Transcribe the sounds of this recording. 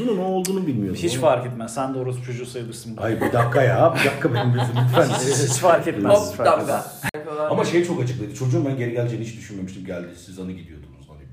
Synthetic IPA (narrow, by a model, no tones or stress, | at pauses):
ununoolˠd̪uːnubilʲmijohit͡ʃfaɾkɛt̪mæzsænd̪oɾusut͡ʃʰo̞d͡ʒusajlˠɯɾsɯnbajbid̪akːajabid̪akʰːabenimbezimbit̪fænit͡ʃfaɾkɛt̪mad̪aaamaʃe̞jt͡ʃʰo̞kat͡ʃʰɯ̥klˠajd̪ɯt͡ʃʰo̞d͡ʒuːmbænɟe̞ɾɛɟælʲd͡ʒɛniʃt͡ʃd̪yʃynme̞miʃt̪ʰimɟælʲd̪isizanɯɟid̪ijo̞d̪unzai